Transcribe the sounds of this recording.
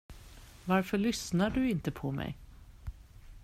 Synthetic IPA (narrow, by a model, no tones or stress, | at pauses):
vaɾfœɭʏsnaɖɵɪnt̪əpʰɔmɛ̰j